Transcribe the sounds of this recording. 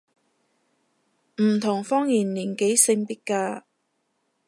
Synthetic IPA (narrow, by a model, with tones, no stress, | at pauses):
m̩˨˩t̪ʰʊ˨˩ŋfɔː˥ŋjiː˨˩nliː˨˩nke˨˥jsɪ˧ŋpi˥t̚kaː˧